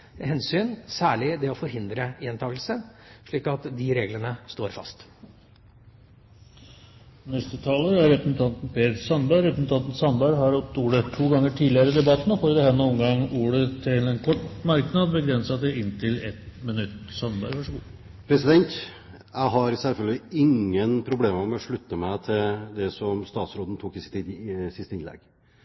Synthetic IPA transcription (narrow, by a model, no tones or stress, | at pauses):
hɛnsyːnsæːɭɪd̪ɛɔfɔɾhɪnd̪ɾəent̪ʰɑːɡlsəʂɭiːkɑt̪d̪ɪɾeːɡlənəst̪oːɾfɑ̰st̪ | nɛst̪ɪt̪ʰɑːləæɾɾɛpɾəsnt̪ʰɑnt̪n̩pʰeːsɑnbæɾɛpɾəsn̩t̪ʰɑnt̪n̩sɑnbæɦɑɾɔt̪ːuːɽət̪ʰuːɡɑŋːəʈʰiːdlɪəɾəd̪ɛbɑt̪ːn̩ɔfoːɾd̪ɛhɛnːɔɔmɡɑŋuːɽət̪ʰɪlɛnkʰɔʈːmɑɾknɑd̪bəɡɾɛnsɑt̪ɛɪnːt̪ʰɪlɛt̪mɪnʉt̪ːsɑnbæɾʋɑʂəɡu | pʰɾɛsɪd̪ɛnt̪ | jæɪɦɑɾsɛlfœlɡəɪɪŋːənpʰɾʊbleːməmɛɔʂɭʉt̪ːəmæɪt̪ʰɪld̪ɛsɔmst̪ɑːt̪sɾoːd̪n̩t̪ʰuːkɪsɪ̥t̪ʰːiːd̪sɪst̪əɪnlɛ̰ɡ̥